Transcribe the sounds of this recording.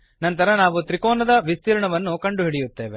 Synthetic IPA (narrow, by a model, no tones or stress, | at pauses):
nɐnt̪ɐɾɐnaːʋut̪ɾikoːnɐd̪ɐʋist̪iːɾɐɳɐʋɐnːukɐɳɖuɦiɽijut̪ːe̞ːʋe